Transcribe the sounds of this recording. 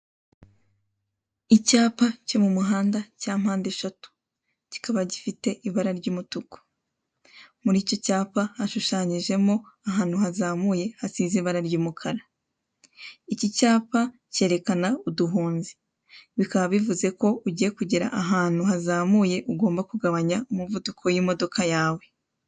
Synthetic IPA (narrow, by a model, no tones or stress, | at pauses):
icaːpace̞mumuɦaːndacaːm̥haːnde̞ʃatu̥ | ci̥kaβaɟifite̞ʔiβaɾaɾɟuːmutuko̥ | muɾiːco̞caːpahaʃuʃaːɲiʒe̞mo̞aɦaːn̥huhazaːmuːje̞hasiziβaɾaɾɟuːmukʰaɾa | icicaːpa | ce̞ːɾe̞kanauduɦuːnzi̥ | βikaβaβivuze̞ko̞uɟije̞kuɟiɾa̰ʔaɦaːn̥huhazaːmuje̞ʔuɡo̞ːmbakuɡaβaɲaumuvudukʰo̞jimo̞do̞kajaːwe̞